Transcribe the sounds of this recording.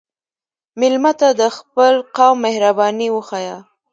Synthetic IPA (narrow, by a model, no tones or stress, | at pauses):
mɪlmat̪ad̪əxpəlqɑwmːehɾabɑniwəxɑja